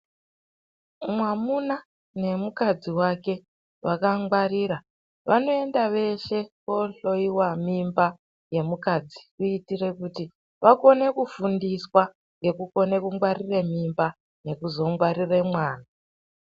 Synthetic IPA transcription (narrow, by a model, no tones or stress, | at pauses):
mwamuna | ne̞mukad͡ziwake̞ | ʋakaŋɡwaɾiːɾa | ʋano̞e̞ndaʋe̞ʃe̞ko̞ɬo̞iwamimba | je̞mukad͡zikuitire̞kuti | ʋako̞ne̞kufundiswa | ŋɡe̞kuko̞ne̞kuŋɡwariremimba | ne̞kuzo̞ŋɡwaɾiremwaːna